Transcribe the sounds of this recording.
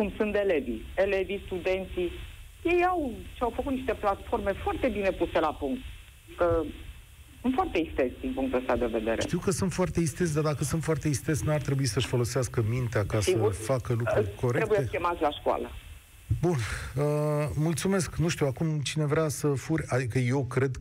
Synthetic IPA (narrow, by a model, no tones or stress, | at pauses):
kumsunt̪e̞le̞vḭe̞le̞vist̪ud̪e̞nt̪si | jejawʃeawfəkut̪niʃt̪e̞plat̪fo̞rme̞foart̪e̞bine̞puse̞lapuŋk̚t̪ | kə | sɨnt̪fwart̪e̞ist̪ezʲd̪inpuŋkt̪uəst̪ad̪e̞ve̞d̪e̞̰ɾeʃt̪iwkəsunt̪foart̪e̞ist̪ezd̪ard̪akəsunt̪foart̪e̞ist̪ezʲnuart̪ɾe̞buisəʃfo̞lo̞seaskəmint̪eakasiəfakəlukɾko̞ɾeɾɾekbujeekʲemat̪sʲlaʃkwa̰lə | bunəmult̪sume̞sknuʃt̪iwakumt͡ʃine̞vɾeasəfurʲad̪ikəje̞wkɾe̞d̪